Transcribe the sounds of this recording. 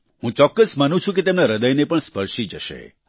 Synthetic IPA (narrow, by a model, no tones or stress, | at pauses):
ɦũt͡ʃɔkːəsmanũt͡ʃʰũket̪emnaɾəd̪əjnepəɳspəɾʃid͡ʒə̰ʃḛ